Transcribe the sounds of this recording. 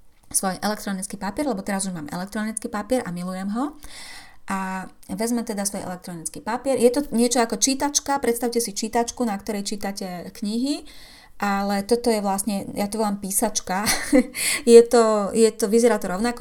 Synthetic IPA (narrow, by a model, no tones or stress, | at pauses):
sʋɔjʔɛlɛkt̪ɾɔnit͡skiːpapiɪɛɾlɛbɔt̪ɛɾazuʒmaːmʔɛ̰lɛk̚t̪ɾɔnit͡skiːpapɪɛɾamilujɛmɦɔ | ʔa | ʋɛzmɛt̪ɛd̪asʋɔjɛ̰lɛk̚t̪ɾɔnit͡skipapɪɛɾjɛt̪ɔɲɪɛt͡ʃɔakɔt͡ʃiːt̪at͡ʃkapɾɛt̪st̪aʊcɛsit͡ʃiːt̪at͡ʃkunakt̪ɔɾɛjt͡ʃiːt̪acɛkɲiɦi | ʔalɛt̪ɔt̪ɔjɛʋlasɲɛjat̪ɔʋɔlampiːsat͡ʃka | jɛt̪ɔjɛt̪ɔʋizɛɾaːt̪ɔɾɔʊnakɔ